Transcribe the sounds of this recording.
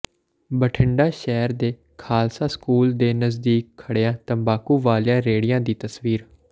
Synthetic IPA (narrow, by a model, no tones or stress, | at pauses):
bəʈʰɪɳɖaːʃɛːɾd̪eː | kʰaːlsaːskuːld̪eːnəzd̪iːkʰːəɽeãːt̪ə̃mbaːkuːʋaːljãːɾeːɽɪjãːd̪iːt̪əsʋiːɾ